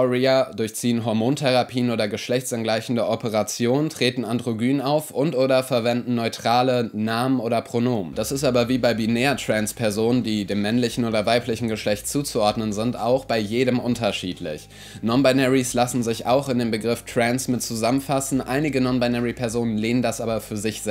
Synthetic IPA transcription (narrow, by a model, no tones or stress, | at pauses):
ɔʁiadʊɐçt͡siːənɦɔɐmoːntʰɛʁ̞apʰiːənʔoːdɐɡəʃlɛçtt͡sanɡlaɪçn̩dəʔɔpəʁat͡sjoːnəntʁ̥eːtn̩andʁoɡyːnənaʊfʔʊntʔoːɾɐfɛɐvɛndn̩nɔʏtʁ̥aːlənaːmənʔoːdɐpʁ̥onoːməd̥asɪstʔaːbɐviːbaɪbinɛːɐtʁ̥ɛnspʰɛɐzoːnəndiːdeːmːɛnlɪçn̩oːdɐvaɪplɪçn̩ɡəʃlɛçtt͡suːt͡suʔɔɐdnənzɪnta̰ʊxb̥aɪjeːɾəmʔʊntɐʃḭːtʰlɪ̰ç | nɔnbaɪnɛʁislasn̩zɪça̰ʊxɪndeːmbəɡʁɪftʁ̥ɛnsmɪtt͡suzamənfasn̩ʔaɪnɪɡənɔnbaɪnɛʁipʰɛɐzoːnənleːnəndasʔaːbɐfyːɐzɪçz̥ɛ